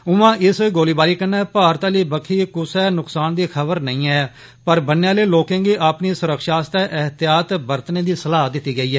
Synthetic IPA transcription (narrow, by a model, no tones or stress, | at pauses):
ʊʋãːʔɪsɡoːliːbaːɾiːkənɛːpaːɾt̪aliːbəkʰiːkʊsɛːnʊksaːnd̪iːkʰəbəɾnəĩːɛː | pəɾbənːeːãːleːloːkẽːɡiːʔaːpniːsʊɾəkʃaːst̪ɛːʔɛɦt̪ɪjaːt̪bəɾt̪neːd̪iːsəlaːd̪ɪt̪ːiːɡəiːɦɛː